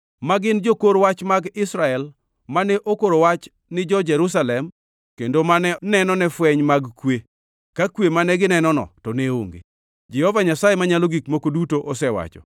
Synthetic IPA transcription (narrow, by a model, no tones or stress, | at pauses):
maɡɪnd͡ʒokoɾwat͡ʃmaɡɪsɾaɛl | manɛʔokoɾowat͡ʃ | nɪd͡ʒɔd͡ʒɛɾus̬alɛm | kendomanɛnɛnɔnɛfwɛɲmaɡkwe | kakwemanɛɡɪnɛnɔnɔ̰tɔneo̰ŋɡḛ | d͡ʒɛhɔvaɲasajemaɲaloɡikmokodutoʔɔsɛwa̰t͡ʃɔ̰